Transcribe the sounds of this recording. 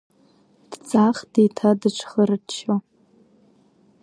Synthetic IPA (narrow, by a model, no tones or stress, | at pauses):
d̥t͡sʼaχdetʰadɨʈ͡ʂʷʰχərɨt͡ʃːo